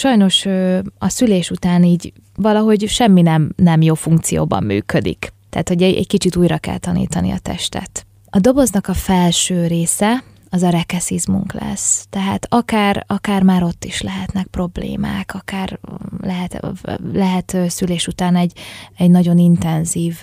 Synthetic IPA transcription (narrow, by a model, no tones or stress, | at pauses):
ʃɒjno̞ʃøɒsyleːʃut̪aːniːɟ | vɒlɒɦo̞ɟʃɛmːinɛmnɛmjoːfuŋkt̪sijo̰ːbɒ̰mːy̰ːkød̪ḭkt̪ːɛ̰ːt̪hoɟɛɛ̰ɟkit͡ʃit̪uːjrɒkɛ̰lt̪ɒnḭːt̪ɒnḭɒ̰t̪ɛ̰ʃt̪ɛ̰t̪ | ɒd̪o̞bo̞znɒkɒfɛlʃøːɾeːsɛ | ɒzɒɾɛkɛsizmṵŋklɛ̰st̪ɛɦa̰ːt̪ɒkaːrɒkaːrmaːɾo̞t̪ːiʃlɛɦɛt̪nɛk̚pro̞blḛːma̰ːkɒkaːrlɛɦɛt̪lɛɦɛt̪øːsyleːʃut̪aːnɛɟɛɟnɒɟo̞nint̪ɛnziːv